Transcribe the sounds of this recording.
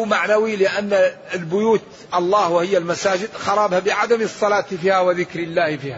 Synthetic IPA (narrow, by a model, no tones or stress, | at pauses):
maʕnawilɪʔanːaɪlbʊjuːt̪ | ʔɑlˤːɑːhwɪhɪjːalmasaːd͡ʒɪd̪xɑɾˤɑːbhabɪʕad̪amsˤːɑlɑːt̪fiːhawɪðɪkɾɪlːaːhfiːha